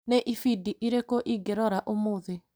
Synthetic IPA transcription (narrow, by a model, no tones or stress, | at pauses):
neʔifidiʔiɾekoʔiɡeɾɔɾaʔomoːðe